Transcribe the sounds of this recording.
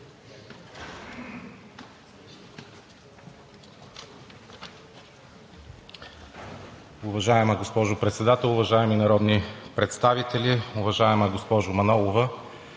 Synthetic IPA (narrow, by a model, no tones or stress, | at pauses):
ʊvɐʒaɛməɡospɔʒʊpɾɛt̪sɛd̪at̪ɛlˠʊvɐʒaɛminɐɾɔd̪nipɾɛt̪st̪avit̪ɛliʊvɐʒaɛməɡospɔʒʊmɐnɔlˠovə